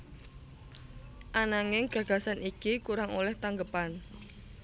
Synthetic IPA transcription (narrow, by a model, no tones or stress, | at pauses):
ʔanaŋɪŋɡ̥ä̤ɡ̥ä̤sanikikuɾaŋolɛht̪aŋɡəpan